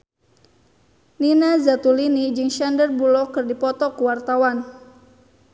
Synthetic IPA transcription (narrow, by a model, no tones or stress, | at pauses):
ninazat̪ulinid͡ʒɨŋʃandərbulɔkɨrdipɔt̪ɔkuwart̪awan